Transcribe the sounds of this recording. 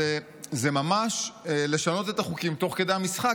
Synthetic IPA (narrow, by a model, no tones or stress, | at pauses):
e | zemamaʃle̞ʃano̞t̪̬et̪aχukimt̪o̞χke̞d̪ejamisχa